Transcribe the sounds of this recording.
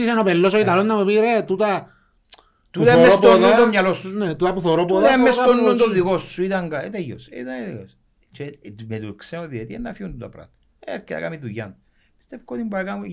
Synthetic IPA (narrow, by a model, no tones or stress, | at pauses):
is̬enopelːos̬oit̪alonːamupiɾet̪ut̪a | t̪uut̪mːeotp̪oðond̪omɲalosːunet̪ut̪apuθoɾopoðaemːesonːond̪oikosːuit̪aŋɡaet̪ejo̰sḭt̪anet̪jos | t͡ʃet̪met̪ukseoðiet̪ienːafiund̪ut̪ɐ̰pɾa̰t̪ | eket̪a̰kamiðuja̰nt̪ | st̪efkot̪imbaɾkamu